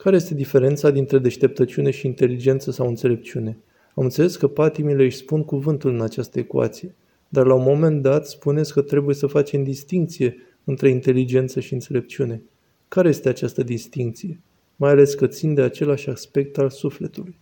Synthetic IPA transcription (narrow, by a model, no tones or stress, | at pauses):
kaɾejest̪e̞d̪ife̞ɾe̞nt̪sad̪int̪ɾe̞d̪e̞ʃt̪e̞p̚t̪ət͡ʃune̞ʃiːnt̪e̞lid͡ʒe̞nt̪səsawɨnt̪se̞le̞p̚t͡ʃiune̞ | amɨnt̪se̞le̞skəpat̪imileɨʃʲspunkuvɨnt̪ulɨnat͡ʃast̪əe̞kua̰t̪sije̞ | d̪arlaunmo̞me̞nd̪at̪spune̞t̪sʲkət̪ɾe̞buje̞səfat͡ʃe̞md̪ist̪iŋk̚t̪sije̞ | ɨnt̪ɾe̞int̪e̞lid͡ʒe̞nt̪səʃiɨnt̪se̞le̞p̚t͡ʃiune̞ | kaɾeje̞st̪e̞at͡ʃast̪əd̪ist̪iŋk̚t̪sije̞ | majale̞skət̪sind̪e̞at͡ʃe̞laʃʲaspe̞k̚t̪alsufle̞t̪uluj